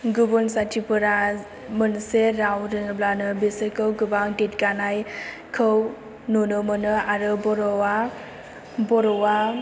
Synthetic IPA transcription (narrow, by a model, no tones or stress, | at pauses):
ɡubɔnsatʰipɯɾa | mənseɾawɾɯnblanɯbisəkʰɯwɡɯbaŋdet̚kanaj | kʰɯw | nunɯmɯnɯaɾɯbɔɾɔwa | bɔɾɔwa